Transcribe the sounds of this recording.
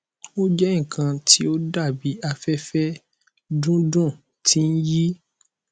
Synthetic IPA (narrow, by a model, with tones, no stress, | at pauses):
o˦d͡ʒɛ˦ĩ˦˨kʰã˧ti˦o˦da˦˨bi˨˦a˧fɛ˦fɛ˦ | dũ˦dũ˦˨ | tʰi˦n̩˦ji˦